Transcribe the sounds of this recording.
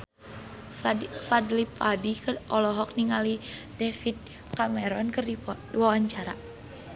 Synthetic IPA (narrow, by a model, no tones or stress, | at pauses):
fadlipadikɨʔɔlɔɦɔk̚niŋali | dɛfit̪̚ | kamɛɾɔnkɨrdi | wawaɲt͡ʃaɾa̰